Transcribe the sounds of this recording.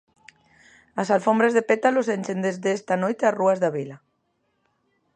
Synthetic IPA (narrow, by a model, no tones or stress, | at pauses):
asalfombɾazðepet̪alosẽnʲt͡ʃend̪ezðest̪anojt̪eazruɐzðaβilɐ